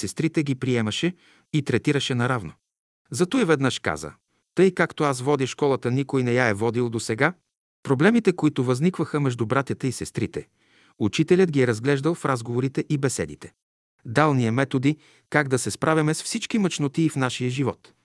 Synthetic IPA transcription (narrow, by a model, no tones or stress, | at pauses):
sɛst̪ɾit̪ɛɡipɾiɛmɐʃɛ | it̪ɾɛt̪iɾəʃɛnɐɾavno | zɐt̪oivɛd̪nəʃka̰zə̰ | t̪ɤjkakt̪oasvɔd̪ʲəʃkɔlˠət̪ənikojnɛjaɛvɔd̪ilˠd̪osɛɡa | pɾoblɛmit̪ɛkoit̪ʊvɐznikvəxəmɛʒd̪ʊbɾat̪ʲɐt̪ɛisɛst̪ɾit̪ɛ̰ | ut͡ʃit̪ɛlʲət̪̚ɡʲiɛɾɐzɡlɛʒd̪əlˠfɾazɡovoɾit̪ɛʔibɛsɛ̰d̪ḭt̪ɛ̥ | d̪alˠniəmɛt̪od̪i | kaɡd̪ɐsɛspɾʔavʲimɛsfsit͡ʃkimɐt͡ʃnot̪iːfnaʃijəʒivɔ̰t̪